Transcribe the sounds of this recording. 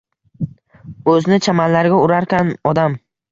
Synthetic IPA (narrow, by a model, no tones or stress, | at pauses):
ɵznɪt͡ʃʰamanlaɾɡʲaʊɾaɾkʲanɒd̪am